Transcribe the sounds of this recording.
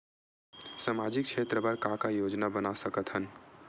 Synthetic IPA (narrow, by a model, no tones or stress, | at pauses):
samad͡ʒik̚t͡ʃʰet̪ɾəbəɾkakajod͡ʒnabənasəkət̪ɦən